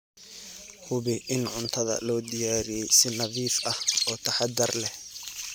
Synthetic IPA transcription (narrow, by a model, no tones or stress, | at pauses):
hʊβɪʔɪnʕʊnt̪ʰɐðɐ̰lɔːd̪ɪjaːɾijɛjsɪnɐβiːfɐhɔːt̪ʰɐħɑd̪ɐrlɛh